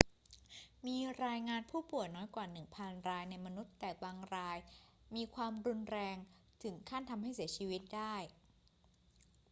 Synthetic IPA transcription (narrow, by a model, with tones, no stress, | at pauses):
miː˧ɾaː˧jŋaː˧npʰuː˥˩pu˨˩əjnɔː˦˥jkwaː˨˩nɯ˨˩ŋpʰa˧nɾaː˧jna˧jma˧nu˦˥t̪ːɛː˨˩t̪̚waː˧ŋɾaː˧j | miː˧kʰwaː˧mɾu˧nɾɛː˧ŋ | t̪ʰɯ˩˦ŋkʰaː˥˩nt̪ʰa˧mɦa˥˩jsi˩˦t͡ɕʰiː˧wi˦˥t̪̚daː˥˩j